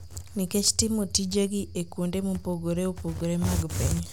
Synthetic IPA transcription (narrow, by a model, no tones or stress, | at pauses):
niket͡ʃtimotid͡ʒeɡiekundemopoɡoɾeopoɡoɾemaɡpeɲ